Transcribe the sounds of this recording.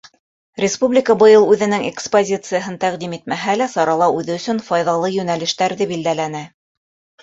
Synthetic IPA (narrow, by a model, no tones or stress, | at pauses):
ɾʲɪspublʲɪkəbɤ̆jɤlˠʉðɘ̆nɘŋekspozʲit̪sɨjəɦɤnt̪æqd̪imit̪̚mæɦælæsɑɾɑlˠɑʉðɘɵ̆sɵnfɑjðɑlˠɤjɵ̆nælɘ̆ʃt̪æɾðɘbild̪ælænæ